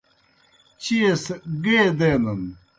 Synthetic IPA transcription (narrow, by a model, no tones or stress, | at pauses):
t͡ɕiesɡeːd̪eːnɐn